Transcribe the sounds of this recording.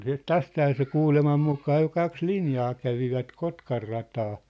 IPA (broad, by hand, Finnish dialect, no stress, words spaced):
siːt tæsthæː se kuːlemɑm mukɑː jo kɑks linjɑː kæʋiʋæt kotkɑrːɑtɑː